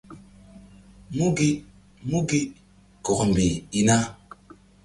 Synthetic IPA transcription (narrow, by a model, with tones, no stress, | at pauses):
mu˦ɡi˦ | mu˦ɡi˦ | kɔ˨km˨bi˨i˦na˦